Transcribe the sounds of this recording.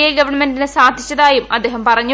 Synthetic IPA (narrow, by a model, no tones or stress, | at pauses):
ɐlɡɐʋɐrɳɐmendinɨsaːd̪ʱi̥t͡ɕːɐðaːjumɐd̪ːe̞ːɦɐmpɐrɐɲːu